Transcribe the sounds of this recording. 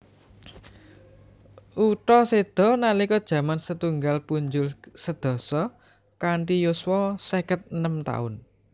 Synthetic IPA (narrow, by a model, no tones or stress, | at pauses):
ʔuʈɔsed̪̥ɔ̤nalikɔd̥ʒ̥ä̤mansət̪uŋɡalpuɲd͡ʒʊlsəd̪̥ɔ̤sɔ | kaɳʈijoswɔsekət̪̚ənəmt̪a̰ʊ̰n